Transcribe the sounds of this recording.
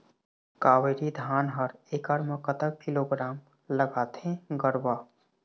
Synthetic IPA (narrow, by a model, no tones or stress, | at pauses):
kaːweɾid̪ʱaːnɦəɾeːkəɽməkət̪ək̚kiloːɡɾaːm | ləɡaːt̪ẽɡəɽwaː